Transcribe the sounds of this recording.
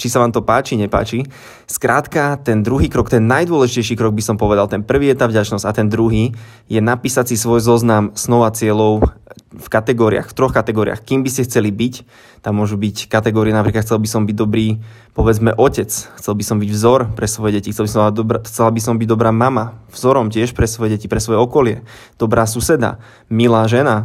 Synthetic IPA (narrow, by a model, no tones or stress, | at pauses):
t͡ʃisaʋaːmt̪ɔpaːt͡ʃiɲɛpa̰ːt͡ʃi | skɾaːt̪kat̪ɛnd̪ɾuɦiːkɾɔkt̪ɛnːajd̪ʊɔlɛʒicɛjʃikɾɔɡ̚bisɔmpɔʋɛd̪alt̪ɛnpr̩ʋiːjɛt̪aːvɟat͡ʃnɔz̥at̪ɛnd̪ɾuɦiː | jɛnapiːsat͡sisʋɔjzɔznamsnɔʋat͡sɪɛlɔʊfkat̪ɛɡɔːɾia̰xft̪ɾɔxkat̪ɛɡɔːɾia̰xkiːmbiscɛxt͡sɛlibic | t̪amːʊɔʒubickat̪ɛɡɔːɾiɛnapɾiːkat̪xt͡sɛlbisɔmbiɟ̚d̪ɔbɾiː | pɔʋɛd͡zmɛʔɔcɛt͡sxt͡sɛlbisɔmbiɟvzɔɾpɾɛsʋɔjɛɟɛcixtt͡sɛlbisɔ̃maad̪ɔbxt͡sɛlabisɔmbiɟ̚d̪ɔbɾaːmamavzɔɾɔmcɪɛʃpɾɛsʋɔjɛɟɛcipɾɛsʋɔjɛɔkɔlɪɛ̰ | d̪̥ɔbɾaːs̬usɛd̪a̰ | milaːʒɛna